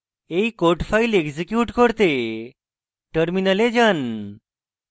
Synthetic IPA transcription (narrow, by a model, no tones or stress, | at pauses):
ejkoɾʈpʰajleɡsikjuʈkɔɾt̪e | ʈəɾminəled͡ʑan